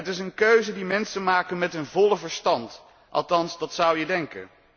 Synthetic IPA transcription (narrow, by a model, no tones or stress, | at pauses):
ətɪsənkøɥzədimɛnsəmaːkənmɛtənvɔləvəɹstɑnt | ʔɑ̰lˠtɑnsdɑtsʌwjədɛŋkə̰n